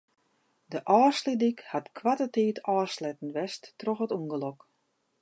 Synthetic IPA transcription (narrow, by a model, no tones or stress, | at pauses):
dəʔɔːslidikhatkʰʋatəteːtʰɔːslɛtn̩ʋɛstːrɔxətuŋɡəlɔk